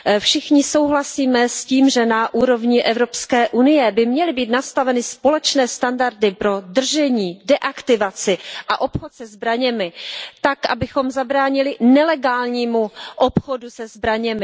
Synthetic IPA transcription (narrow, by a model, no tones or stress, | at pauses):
fʃɪxɲɪso̞wɦlasiːmɛsciːmʒɛnaʔuːɾo̞vɲɪʔɛvɾo̞pskɛːʔunɪjɛbɪmɲɛlɪbiːt̪nast̪avɛnɪspo̞lɛt͡ʃnɛːst̪andaɾdɪpɾo̞d̪r̩ʒɛɲiːdɛʔakt̪ɪvat͡sɪʔaʔo̞pxot̪sɛzbɾaɲɛmɪt̪akʔa̰bɪxo̞mzabɾaːɲɪlɪnɛlɛɡaːlɲiːmuʔopxodusɛzbɾaɲɛmɪ